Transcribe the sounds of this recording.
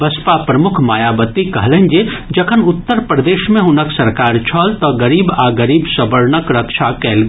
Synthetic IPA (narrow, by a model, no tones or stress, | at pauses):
ʋɐspapɾɐmʊkʰmaːjaːbət̪ikɐɦlẽnd͡ʒed͡ʒɐkʰənʊt̪ːəɾpɾɐd̪eːʃmẽɦʊnəksɐɾkaːɾt͡ʃʰɔːlt̪ɔɡɐɾiːbaːɡəɾiːbsɐbəɾnəkɾɐkʃʰakɛːlɡ